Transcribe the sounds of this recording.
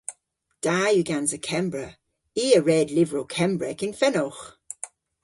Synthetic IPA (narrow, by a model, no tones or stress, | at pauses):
d̥aːjʉɡanzəkʰɛmbɹə | iːəɹɛdlɪvəɹokʰɛmbɹɛkɪnfɛnɔx